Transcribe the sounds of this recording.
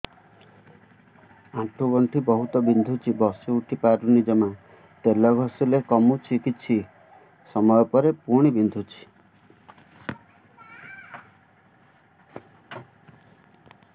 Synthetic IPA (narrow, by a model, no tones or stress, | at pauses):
ãʈʰuɡɔɳʈʰibɔɦut̪ɔbind̪ʱut͡ʃʰibɔsuuʈʰipaɾunid͡ʒɔma | t̪elɔɡʱɔsulekɔmut͡ʃʰikit͡ʃʰi | sɔmɔjɔpɔɾepuɽ̃ibind̪ʱut͡ʃʰi̥